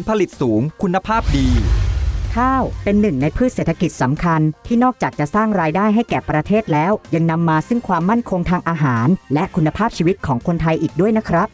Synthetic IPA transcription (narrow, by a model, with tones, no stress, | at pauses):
npʰa˧li˨˩t̪̚suː˩˦ŋkʰu˧nːa˧pʰaː˥˩p̚diː˧ | kʰaː˥˩wpe˧nːɯ˨˩ŋna˧jpʰɯː˥˩t̪̚seː˨˩t̪ʰa˧ki˨˩t̪̚sa˩˦mkʰa˧nt̪ʰiː˥˩nɔː˥˩k̚t͡ɕaː˨˩k̚t͡ɕa˨˩ʔsaː˥˩ŋɾaː˧jdaː˥˩jɦa˥˩jkɛː˨˩pɾa˧t̪ʰeː˥˩t̪̚lɛː˦˥wja˧ŋna˧mːaː˧sɯ˥˩ŋkʰwaː˧mːa˥˩nkʰo˧ŋt̪ʰaː˧ŋʔaː˧ɦaː˩˦nlɛ˦˥ʔkʰu˧nːa˧pʰaː˥˩p̚t͡ɕʰiː˧wi˦˥t̪̚kʰɔː˩˦ŋkʰo˧nt̪ʰa˧jʔiː˨˩k̚du˥˩əjna˦˥kʰɾa˦˥p̚